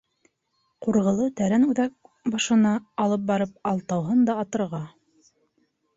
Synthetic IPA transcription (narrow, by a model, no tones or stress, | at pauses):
quɾʁɤ̆lˠɤt̪æɾænʉðæk̚ | bɑʃɤ̆nɑːlˠɤp̚bɑɾɤp̚ɑlˠt̪ɑwɦɤnd̪ɑːt̪ɤ̆ɾʁɑ